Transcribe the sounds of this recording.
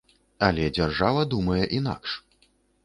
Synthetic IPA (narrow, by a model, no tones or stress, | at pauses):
alʲɛd͡zʲarʐavɐd̪umɐjɛʔina̰kʂ